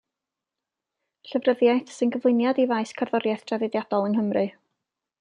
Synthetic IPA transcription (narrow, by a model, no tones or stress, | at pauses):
ɬəvrəðjajθsɨnɡəvlˠɪnjadivajskʰarðɔɾjajθd̥ʰravɪdjadɔlˠənɦəmrɨ